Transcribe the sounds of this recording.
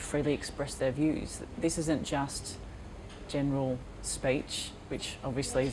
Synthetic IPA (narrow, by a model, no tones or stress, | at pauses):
fɹiːlˠiɨkspɹɛsðə˞vjʉz̥ðɪsɪzə̃nd̥ʒ̥ʌst | d̥ʒ̥ɛnəɹəlˠ | spiˑt͡ʃ | wɨt͡ʃɒbviɨsli